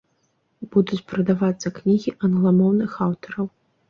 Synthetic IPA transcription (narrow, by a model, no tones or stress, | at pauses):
b̥ud̪ut͡sʲpɾɐd̪avat̪sːɐknʲiɣʲiʔɐnɣlˠamɔwnɨxawt̪ɔɾɐw